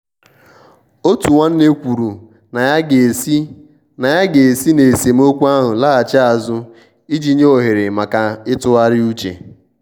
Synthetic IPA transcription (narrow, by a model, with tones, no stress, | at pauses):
o˦tu˨wa˦n̩˦ne˦kʷu˨ɾu˨ | na˨˦˨ | na˨ja˦ɡe˨e˨si˦ne˨e˨se˨m̩˦o˦kʷu˦a˦ɦʊ˨la˦a˨t͡ʃa˦a˨zʊ˦ | i˦d͡ʒi˦ɲe˦o˨ɦe˨ɾɪ˨ma˨ka˨ɪ˦tʊ˦a˦ɾɪ˦u˦t͡ʃḛ˨